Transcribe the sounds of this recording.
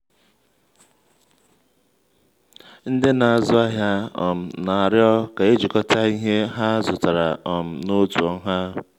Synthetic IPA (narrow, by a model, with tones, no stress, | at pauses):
n̩˦dɪ˦na˨a˨zʊ˦a˦ɦja˦ɔ̰˨m̩˨na˨a˨ɾjɔ˦ka˨e˦d͡ʒi˨kɔ˦tʰa˦i˦ɦe˦ɦa˦zʊ˨ta˨ɾa˨ɔ˨m̩˨no˦tu˨ɔ˦ɦa˦